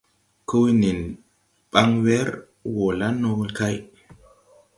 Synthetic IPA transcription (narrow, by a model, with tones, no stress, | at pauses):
ku˦ni˨n | ɓ̥a˦ŋwe˦ɾ | wo˨la˦no˦ɡlka˦j